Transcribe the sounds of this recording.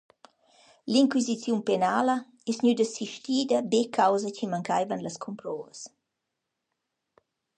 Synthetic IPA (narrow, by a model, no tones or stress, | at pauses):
liŋkwizit͡sjumpenalə | ɛsɲyd̪əsiʃtiːd̪əbekʰawzəcimaŋkajvənləskʰɔmpɾɔːvəs